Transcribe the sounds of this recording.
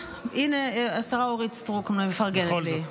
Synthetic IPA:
ineasaʁaoʁit͡stʁukmlamefaʁɡenli

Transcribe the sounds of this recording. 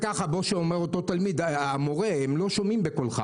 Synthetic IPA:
kaχabo̞ʃeomeʁot̪o̞t̪almid̪amo̞ʁe̞hemloʃomimbekolχa̰

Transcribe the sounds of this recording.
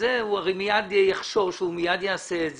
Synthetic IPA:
euaʁejmijad̪jaχʃo̞ʁʃumijad̪jaːsez

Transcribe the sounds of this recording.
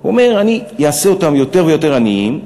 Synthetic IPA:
o̰me̞ʁanijaaseo̞tamjo̞te̞ʁvejo̞te̞ʁaniim

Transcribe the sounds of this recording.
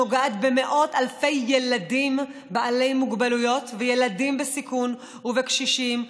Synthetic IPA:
oɡaat̪bemeʔo̞t̪alfe̞jːeladimbaʔale̞jmuɡbalujo̞t̪vejelad̪imbesikun | uvekʃiʃim

